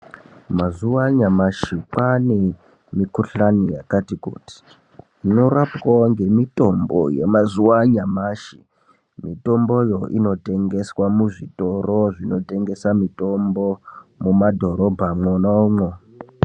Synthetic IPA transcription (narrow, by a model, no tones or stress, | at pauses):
mazuwaɲamaʃikwane | mikuɬanijakatikṵːti̥ | no̞ɾapwoŋɡe̞mito̞mbo̰jḛmazuwaɲamaʃi | mito̞mbo̞jo̞ʔino̞te̞ŋɡe̞swamuʐito̞ro̞ʐino̞te̞ŋɡe̞samito̞mbo̞mumadʱo̞ɾo̞bʱamwonaumwo